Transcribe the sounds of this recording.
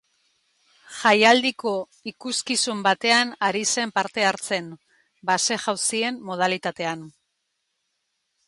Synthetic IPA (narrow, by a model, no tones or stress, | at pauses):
ʝajald̪iko̞ | ikuskisumbat̪e̞anaɾise̞mpaɾt̪e̞aɾt͡se̞n | base̞ʝawsie̞mːoð̞alit̪at̪e̞an